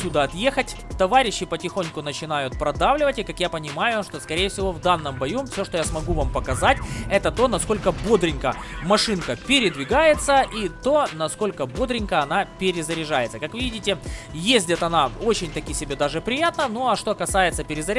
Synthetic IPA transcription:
ud̪əɐt̪je̞xətʲt̪ɐvaɾʲɪɕːɪpətʲɪxo̞nʲkʊnət͡ɕɪn̪ajʊt̪̚pɾɐd̪avlʲɪvətʲɪkakjapənʲɪmajʊʂt̪o̞skɐɾʲejɛfsʲɪvo̞vd̪anːɨmbɐjumfsʲo̞ʂt̪ojasmɐɡuvampəkɐzatʲɛt̪ət̪o̞nɐsko̞lʲkəbod̪ɾʲɪnʲkəmɐʂɨnkəpʲɪɾʲɪd̪vʲɪɡajɪt̪səʔit̪o̞nɐsko̞lʲkəbo̞d̪ɾʲɪnʲkəɐnapʲɪɾʲɪzəɾʲɪʐajɪt̪səkakvɨvʲidʲɪtʲɪjezʲdʲɪt̪ɐnao̞t͡ɕɪnʲt̪ɐkʲisʲɪbʲed̪aʐɨpɾʲɪjat̪nənoɐʂt̪o̞kɐsajɪt̪səpʲɪɾʲɪzɐɾʲ

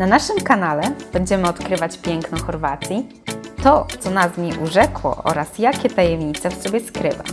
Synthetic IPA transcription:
nanaʂɘmkanalɛb̥ɛɲd͡ʑɛmɘɔt̪kɾɘvat͡ɕpʲjɛŋknɔxɔɾvat̪sʲji | t̪ɔt̪sɔnazɲiʔuʐɛkwɔ̰ʔɔ̰ɾasjakʲɛt̪ajɛmɲit̪sɛfsɔbʲjɛskɾɘ̰va̰

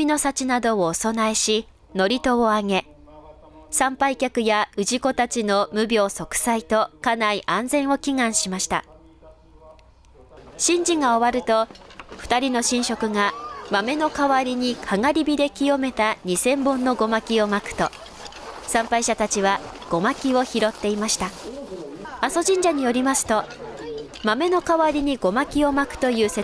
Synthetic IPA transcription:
ino̞sat͡ɕinad̪o̞oːso̞naeɕi | no̞ɾʲit̪o̞oaŋe̞ | sãmpaikʲakɯ̟jaɯ̟ʑiko̞t̪at͡ɕino̞mɯ̟bʲo̞ːso̞kɯ̟̥sait̪o̞kanaiʔãnd͡zẽ̞ɰ̃o̞kʲiŋãɰ̃ɕimaɕi̥t̪a̰ | ɕĩɲ̟d͡ʑiŋao̞βaɾɯ̟t̪o̞ɸɯ̟̥t̪aɾʲino̞ɕĩɰ̃ɕo̞kɯ̟ŋamame̞no̞kaβaɾʲiɲ̟ikʰaŋaɾʲibʲid̪e̞kʲijo̞me̞t̪aɲ̟isẽ̞mbɯ̃nːo̞ɡo̞makʲio̞makɯ̟̥t̪o̞ | sãmpaiɕat̪at͡ɕiβaɡ̥o̞makʲio̞çiɾo̞t̪ːe̞imaɕi̥t̪a | aso̞ʑĩɲ̟d͡ʑaɲ̟ijo̞ɾʲimasɨ̥t̪o̞ | mame̞no̞kaβaɾʲiɲ̟iɡo̞makʲio̞makɯ̟̥t̪o̞jɯ̟ːse

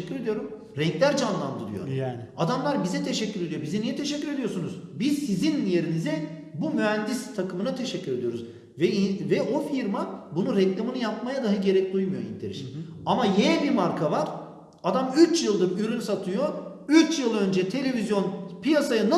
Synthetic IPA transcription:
ɛːyɾe̞d̪ijo̞ɾum | ɾɛŋclʲæɾd͡ʒanlˠand̪ɯɾɯ̰joɾad̪amlˠaɾbizɛt̪ʰe̞ʃɛcːyɾed̪ijobizɛnijɛt̪ʰe̞ʃɛcʲːyɾe̞d̪ijo̞ɾsunuzbizsizinje̞ɾinizɛbumyɦænd̪ist̪ʰakɯmɯnat̪ʰe̞ʃɛcʰːyɾe̞d̪ijo̞ɾuz | vɛivɛʔo̞fiɾmabunuɾɛclʲˠamɯnɯjap̚majad̪aɦaɟe̞ɾɛc̚d̪ujmujoḭnt̪ʰeɾḭʃinamajeɛbiɾmaɾkʰavaɾ̥ | ad̪amyt͡ʃjɯlˠd̪ɯpylʲynsat̪ʰɯjo̞yt͡ʃjɯlˠø̞nd͡ʒɛt̪ʰe̞lʲe̞vizjo̞npʰijasajɯna

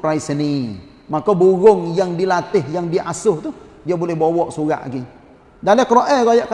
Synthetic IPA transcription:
pɾajsəni | makobuɣʊŋjaŋdilat̪ɪhjaŋdiʔasʊht̪u | diabolɛhbowɔʔsuɣa̰ʔɡi | dalɛkəɾoʔɛɡajaʔk

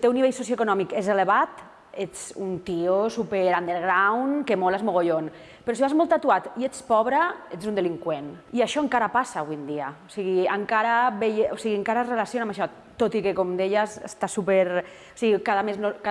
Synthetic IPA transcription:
t̪ewniβeʎsosjoekunɔmikezeleβat̪ | et͡sṵnt̪iosupeɾand̪eɾɣɾawnkemolazmoɣoʎon | peɾɔsiβazmolˠt̪at̪uat̪iet͡spɔβɾaezund̪eliŋkweniaʃɔeŋkaɾapasaːβwijnd̪iaosiɣ̞iaŋkaɾaβejosiɣieŋkaɾazrelasjonamaʃɔ | t̪ot̪ikekomd̪eʎasḛst̪asupeɾ | o̥siɣikaðameznoka

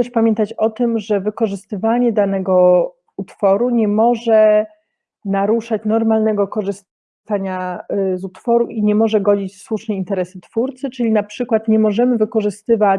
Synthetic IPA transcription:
ɛʂpamʲjɛnt̪at͡ɕɔt̪ɘmʐɛvɘkɔʐɘst̪ɘvaɲɛd̪anɛɡɔ | ut̪fɔɾuɲɛmɔʐɛ | naɾuʂat͡ɕnɔɾmalnɛɡɔkɔʐɘs | t̪aɲazut̪fɔɾuʔiɲɛmɔʐɛɡɔd͡ʑit͡ɕfswuʂnɛint̪ɛɾɛsɘt̪fuɾt̪sɘt͡ʂɘlʲinapʂɘkwat̪ɲɛmɔʐɛmɘvɘkɔʐɘst̪ɘva

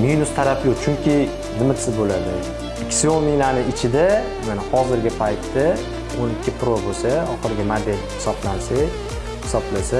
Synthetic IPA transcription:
minʊst̪ʰaɾapjot͡ʃʰʊŋkʲʰɪ | zɪmɪt̪sɪzbolad̪ɪ | ɪkʲʰːsɪonminanɪɪt͡ʃʰɪd̪a | manahɒzɪɾɡʲɪpʰajt̪ːa | onɪkʲːɪpʰɾobosaɒχɨɾɡʲamad̪elʲhɪ̥sɒblansaj | hɪ̥sɒblasa

